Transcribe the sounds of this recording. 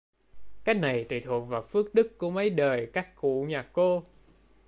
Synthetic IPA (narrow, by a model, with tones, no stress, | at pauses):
kaː˦˥jk̚na˨˩jt̪ḭ˧˨˩t̪ʰu˨˩k̚vaː˨˩fɨ˦˥ək̚ɗɨ˦˥kku˧˩əmə˨˦jɗəː˨˩jkaː˦˥kːṵ˧˨ɲaː˨˩ko˧